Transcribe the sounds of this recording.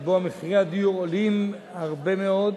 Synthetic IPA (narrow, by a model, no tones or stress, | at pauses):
boameχiʁead̪iuolim | haʁbe̞meo̞d̪